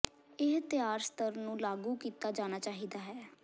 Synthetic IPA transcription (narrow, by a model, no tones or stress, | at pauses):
ɪɦt̪ɪjaːɾst̪əɾnũːlaːɡuːkiːt̪aːd͡ʒaːnaːt͡ʃaːɦiːd̪aːɦɛː